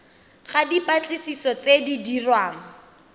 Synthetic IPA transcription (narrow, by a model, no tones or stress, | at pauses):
χadipʼat͡ɬʼɪsisɔt͡sedidirwaːŋ̩